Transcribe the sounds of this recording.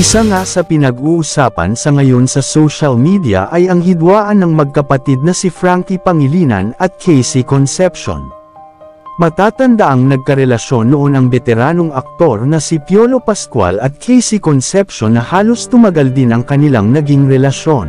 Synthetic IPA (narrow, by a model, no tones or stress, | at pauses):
ʔɪsaŋasɐpɪnɐɡuːʔusaːpɐ̰nsɐŋɐjo̞nsɐsowʃɐlmid̪ijɐ̰ʔɐjɐŋhɪd̪waːʔɐnːɐŋmɐɡ̚kɐpɐt̪id̪̚nɐsifɾaŋkipɐŋɪliːnɐ̰nɐt̪̚kʰɛjsikonsɛpʃo̰n | mɐt̪aːt̪ɐnd̪aʔɐŋnɐɡ̚kɐɾɛlɐʃo̞nːoʔo̞nɐŋbɛt̪ɛɾaːno̞ŋɐk̚t̪o̞ɾnɐsipjo̞lopɐskwa̰lɐt̪̚kʰɛjsikonsɛpʃo̞nːɐhaːlo̞st̪ʊmɐɡald̪inɐŋkɐnɪlaŋnɐɡiŋɾɛlɐʃo̞n